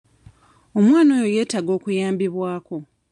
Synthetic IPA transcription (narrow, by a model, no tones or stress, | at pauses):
o̞mwaːno̞ːjoje̞ːtaɡo̞ːkujaːmbiβwaːko̞